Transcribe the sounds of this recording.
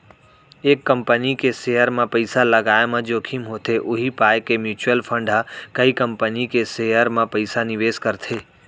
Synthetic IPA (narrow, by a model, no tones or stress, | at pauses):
ekːəmpənikesejəɾmãpəɪsaləɡajmãd͡ʒokʰimɦot̪ʰeʔʊɦipajkemjut͡ʃəlpʰə̃ɳɖɦəkəikəmpənikesejəɾmãpəɪsanɪʋeːskəɾt̪ʰe